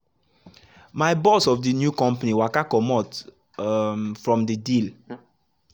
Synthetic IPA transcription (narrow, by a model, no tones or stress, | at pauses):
maɪbɔsɔfdinjukɔ̃mpaniwakakɔmɔt | mfɹɔ̃mdidil